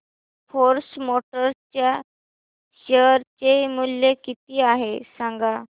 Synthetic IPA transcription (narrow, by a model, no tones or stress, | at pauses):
foɾsmoʈəɾst͡ɕja | ɕəɾt͡ɕemuljekit̪iːaɦesãŋɡa